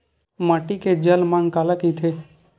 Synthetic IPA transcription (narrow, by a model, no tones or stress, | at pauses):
maːʈiked͡ʒəlmaŋkalakit̪ʰe